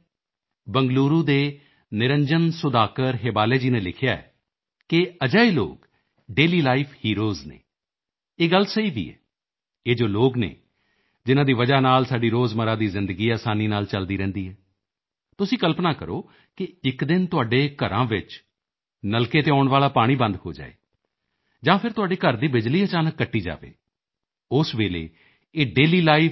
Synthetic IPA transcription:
bəŋɡluːɾũːd̪eː | nɪɾəɲd͡ʒənsʊd̪aːkəɾɦeːbaːleːd͡ʒiːneːlɪkʰɪjaːɛ̰ː | kɪəd͡ʒaːiːlo̰ːk | ɖeːliːlaːipʰhiːɾoːznḛː | eːɡəlsəiːbʱḭːɛ̰ː | eːd͡ʒoːloːɡnḛː | d͡ʒɪnãːd̪iːʋəd͡ʒaːnaːlsaːɖiːɾoːzməɾãːd̪iːzɪ̃nd̪əɡiːaːsaːniːnaːlt͡ʃəld̪iːɾɛ̃ːnd̪iːɦɛː | t̪ʊsĩːkəlpnaːkəɾo̰ː | kɪɪkd̪ɪnt̪ʊaːɖeːkəɾã̰ːʋɪt͡ʃ | nəlkeːt̪eːaːʊɳʋaːlaːpaːɽ̃iːbə̃nd̪ho̰ːd͡ʒa̰ːḛː | d͡ʒãːpʰɪɾt̪ʊɦaːɖeːkəɾd̪iːbɪd͡ʒliːət͡ʃaːnəkːəʈːiːd͡ʒa̰ːʋḛː | ʊsʋeːlḛː | eːɖeːliːlaːɪ

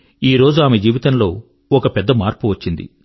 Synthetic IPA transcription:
iːɾo̞ːd͡ʒuaːmed͡ʒiːʋit̪ɐnlo̞ː | ɔkɐpɛd̪ːɐmaːɾpuʋɐt͡ʃːind̪ḭ

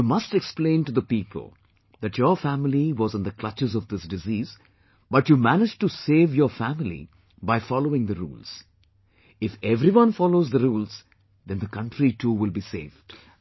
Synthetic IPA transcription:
jumʌsʈɛksplẽɪ̃nʈud̪əpiːpʰə̰l̩ˠ | d̪æʈʰjəɾfæmɪliʋɔzɨ̃nd̪əkl̥ʌt͡ʃɨzɔvd̪ɪsɖɪziːz̥ | bʌʈjumænɪd͡ʒʈuseːʋjəɾfæmɪlḭ | baɪfɔloɪ̃ŋd̪əɾṵːlz̥ | ɪfɛvɾiʋʌ̃nfɔloʊzd̪əɾuːlz | d̪ɛ̃nd̪əkʌ̃nɳʈɾiʈʰuːʋɪlˠbisḛːvd̥

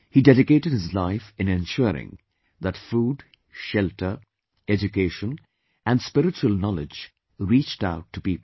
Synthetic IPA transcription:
hidɛɾɪkeːʈɨd̚hɪzlaɪfɪ̃nɛ̃nʃʊɾɪ̰̃ŋ | ðætfuːɖ | ʃɛltʰə˞ | ɛd͡ʒukeʃə̃n | ʔæ̃nɖspɪɾɪt͡ʃuəlˠnɔlɪd͡ʒ | ɾiːt͡ʃta̰ʊʈːupiːpl̩

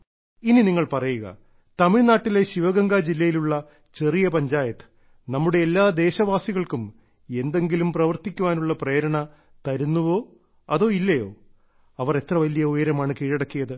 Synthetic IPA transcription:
ininiŋːɐɭpɐrɐjuɣɐ̰ | t̪ɐmiɻnaːʈːile̞ɕiʋɐɡɐŋɡaːd͡ʑilːɐjiluɭːɐ | t͡ɕe̞rijɐpɐɲd͡ʑaːjɐt̪ːɨ̥ | nɐmːuɽe̞ːlːaːd̪e̞ːɕɐʋaːsiɣɐɭkum | e̞nd̪e̞ŋɡilumprɐʋɐrt̪ikʲːuʋaːnuɭːɐpreːɾɐɳɐ | t̪ɐɾunːuʋo̞ː | ɐðo̞ːilːɐjo̞ː | ɐʋɐre̞t̪rɐʋɐlijɐujɐɾɐmaːɳɨkiːɻɐɽɐkːijɐðɨ

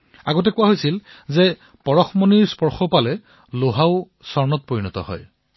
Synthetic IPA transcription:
a̰ɡɔt̬ɛkʊwaɦojsil | zɛ | pɔɹɔxmɔniɹspɔɹxɔpalɛ | loɦaʊ | sɔɹnɔt̚poɹinɔtɔ̰hɔ̰j

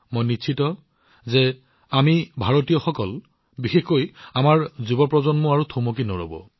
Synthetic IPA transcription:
mojnit͡ʃʰitɔ | zɛ | amibʱaɹotijɔxɔkɔl | bixexojamaɹzubɔpɹɔzɔnmɔaɹutʰomok̬inoɹo̰bɔ̰

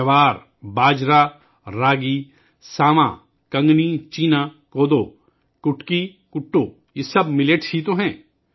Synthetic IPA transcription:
ɐʋaːɾ | baːd͡ʒɾaː | ɾaːɡi | saːmã̰ː | kɐ̃ŋɡnit͡ʃiːnaː | koːd̪oː | kʊʈki | kʊʈːoː | jesɐbmɪleʈsit̪oɦɛ̃ː

